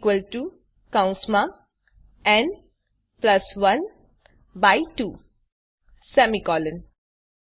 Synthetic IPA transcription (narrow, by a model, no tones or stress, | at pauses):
kʋəlʈu | kãʊ̃nsma | ɛ̃n | plɐsʋʌ̃n | baɪʈuː | sɛmikɔːlə̃n